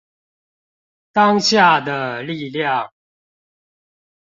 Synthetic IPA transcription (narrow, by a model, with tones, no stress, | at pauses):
t̪ɑ˦ŋɕja˥˩d̪ə˨˩li˥˨ljɑ˥˨ŋ